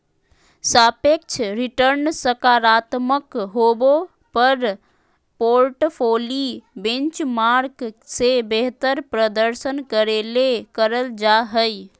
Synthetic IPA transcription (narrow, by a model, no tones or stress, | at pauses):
sapek̚t͡ʃʰɾiʈəɾnsəkaɾat̪məkɦobo | pəɾ | poɾʈpʰolibẽnt͡ʃmaɾksebeɦt̪əɾpɾəd̪əɾsənkəɾelekəɾəld͡ʒaɦəj